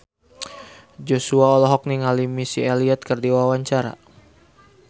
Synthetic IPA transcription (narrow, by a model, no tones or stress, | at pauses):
d͡ʒosuaɔlɔɦɔk̚niŋalimisialiɛt̪̚kərdiwawaɲt͡ʃaɾa̰